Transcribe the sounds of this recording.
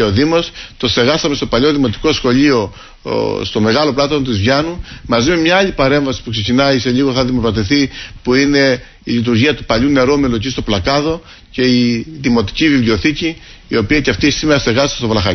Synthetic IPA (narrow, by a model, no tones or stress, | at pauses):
oðimo̞st̪o̞st̪eɣɐsɐme̞st̪o̞pɐʎo̞ðimo̞t̪i̥ko̞sxo̞ʎio̞ | st̪o̞me̞ɣɐlo̞plɐt̪ont̪izvʝɐnumɐzime̞mɲɐːʎipɐɾe̞ɱvɐsi̥pukse̞cinɐise̞ʎiɣo̞θɐðimopɾɐt̪̬iθipuine̞ | iʎit̪̬uɾʝiɐt̪upɐʎune̞ɾomelocist̪o̞plɐkɐðo̞ | ce̞iðimo̞t̪i̥civivlio̞θiciː | o̞piɐceɐft̪isimeɾɐst̪e̞ɣɐst̪est̪ovlɐxɐ